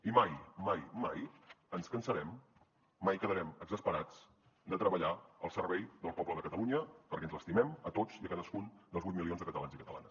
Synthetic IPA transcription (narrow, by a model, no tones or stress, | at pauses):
imajmajmajənskənsəɾɛmː | ajkəðəɾɛməɡzəspəɾad͡z | d̪ət̪ɾəβəʎaəlˠsərβɛjd̪əlˠpɔbləðəkət̪əluɲəpəɾkɛnzləst̪imɛmət̪ot͡siəkaðəskund̪əlzβujt̪milionzðəkət̪əlanzikət̪əla̰nəs